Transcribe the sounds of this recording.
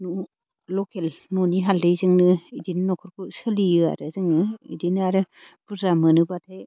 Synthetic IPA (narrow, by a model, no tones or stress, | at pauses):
nu | lɔkʰelnɔniɦaldɯjzɯŋnɯidinɯnɔkʰɯɾkʰusɯliɯa̰ɾɯzɯŋnɯḭdinɯaɾɯ | b̥uzamɯnɯbatʰaj